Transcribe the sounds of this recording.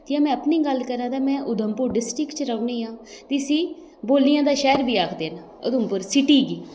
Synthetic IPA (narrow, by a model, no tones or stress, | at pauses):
t̪ɪjãːmɛ̃ːəpniːɡəlkəɾãːd̪aːmɛ̃ːʔʊd̪ʱəmpʊɾɖɪsʈɾɪkt͡ʃɾəʊniːãː | t̪iːsiː | boːlnijãːd̪aːʃɛːɾbiːaːkʰd̪eːnaːʊd̪ʱəmpʊɾsɪʈiːɡiː